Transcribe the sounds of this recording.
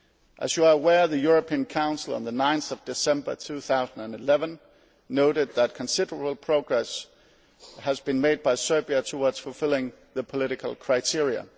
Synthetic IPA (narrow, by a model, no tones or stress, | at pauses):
ʔæzjəəəwɛɹðɨjʊɹəpʰĩnkʰãʊ̃nsl̩ˠə̰̃nðənãɪ̃nθʌvd̥ɨsɛ̃mbə˞tʰuːθaʊzn̩dæ̃nɪlɛvə̃nː | oʊɾɨd̪̚ðæt̚kʰə̃nsɪdə˞əbl̩ˠpʰɹ̥oʊɡɹɛs | həzbɨ̃nmeɪd̚baɪsɜ˞biɨtʰəwʌdz̥fəl̩ˠfɪlˠɪ̃ŋ | ðəpʰəlɪɾɨkʰəl̩ˠkʰɹ̥aɪtʰɪɹiə̰